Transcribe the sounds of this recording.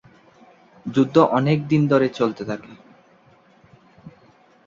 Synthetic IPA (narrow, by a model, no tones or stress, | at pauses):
d͡ʑud̪ʱːoʔɔnek̚d̪ind̪ʱoɾet͡ɕolt̪et̪ʰake